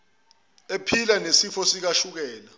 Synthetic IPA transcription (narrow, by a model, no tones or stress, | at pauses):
epʰilanesifɔsik̬aʃuk̬ɛːla